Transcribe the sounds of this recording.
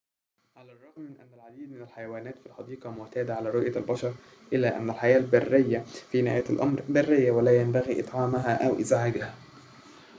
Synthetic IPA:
ʕalæːrˤːɑɣmɪnʔæ̰nːælʕad̪iːd̪mɪnælħajawæːnæːt̪filħɑd̪iːqɑmʊmt̪æːd̪aʕalæːɾˤʊʔjalbɑʃɑɾˤ | ʔɪlːæːʔæ̰nːælħajæːlbarːɪjːæfinhjæt̪ʔɑmɾbarːɪjːawalæːjæmbæɣiːʔɨ̰t̪ˤʕɑːmaɦæːʔæwʔɪzʕaɡahæ

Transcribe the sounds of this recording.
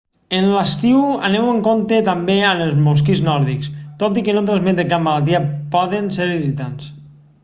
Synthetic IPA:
enlast̪iwanewəŋkont̪et̪ambeanəlˠzmoskiznɔɾðikst̪ot̪̬ikenot̪ɾazmed̪ekammːalalˠt̪̬iapɔðenseɾirit̪ans

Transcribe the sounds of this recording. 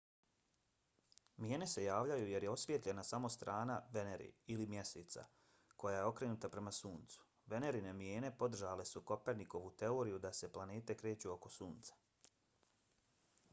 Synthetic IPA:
mjeːne̞se̞jaːʋʎajuje̞ɾjeo̞sʋʲje̞t̪ʎʲe̞nasamo̞st̪ɾʔaːnaʋe̞neɾḭilimje̞se̞ːt̪sa̰ | ko̞jaje̞o̞kɾe̞nut̪apɾe̞masuːnt̪su̥ | ʋe̞ne̞ɾinemje̞ːne̞po̞d̪r̩ʒale̞suko̞pe̞ɾniko̞ʋut̪e̞o̞ːɾijud̪ase̞plane̞ːt̪e̞kɾe̞ːt͡ɕuo̞ko̞suːnt̪sḁ

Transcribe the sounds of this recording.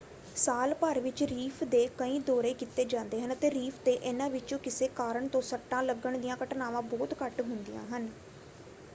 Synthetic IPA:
saːlpəɾʋɪt͡ʃɾiːpʰd̪eːkəĩːd̪ɔːɾeːkɪt̪ːeːd͡ʒãːnd̪eːɦənt̪eːɾiːpʰt̪eːʔeːnãːʋɪt͡ʃõːkɪseːkaːɾəɳt̪õːsəʈːãːləɡəɳd̪ijãːkəʈnaːʋãːbɔːt̪kəʈɦʊnd̪ijã̰ːɦən

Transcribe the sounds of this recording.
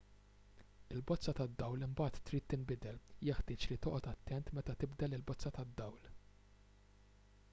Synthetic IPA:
ɪlbɔt͡sːɐt̪ɐd̪ːɐwlɪmbɐːt̪ːɾiːt̪ːɪmbɪd̪ɛljɛħt̪ɪːt͡ʃlit̪ɔːʔɔt̪ɐt̪ːɛnt̪mɛt̪ɐt̪ɪbd̪ɛlɪlbɔt͡sːɐt̪ɐd̪ːɐwl

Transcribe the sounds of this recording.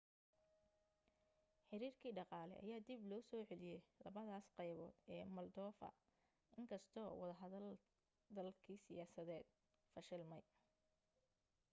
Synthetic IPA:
ħɪɾiːrkʰiːɖɑqɑːlɛ̰ʔɐ̰jaːd̪iblɔːsɔːʕɛlɪjɛjlɐ̰βɐðaːsqɑjβɔ̰ːd̪ɛːmɐld̪ɔːfɐ̰ | ʔɪŋkʰɐst̪ʰɔːwɑðɐɦɐðɐl | d̪ɐlkʰiːsɪjaːsɐðɛːd̪̥̚ | fɐʃɪlmɐj

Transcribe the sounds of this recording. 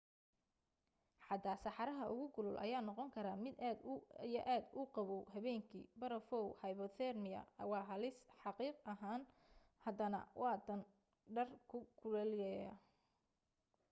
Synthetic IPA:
ħɑd̪aːsɑħɑɾɐɦɐʔʊ̰ɣʊɡʊlʊlʔɐ̰jaːnɔqɔŋkʰɐɾaːmɪd̪ijɐʔaːd̪ʊqɑβɔɦɐβɛːŋkʰḭːbɐɾɐfɔwhɐjβɔt̪ɛrmɪɐ̰ɐ̰wɑːɦɐlɪsħɑqiːqɐɦaːn | hɐd̪ɐnɐ̰wʔɑːt̪ʰɐn | ɖɐrkʰʊkʰʊlɐlɪjjɐ

